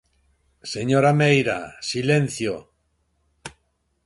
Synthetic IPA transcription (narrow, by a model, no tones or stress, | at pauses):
seɲoɾamejɾa̰silenθjo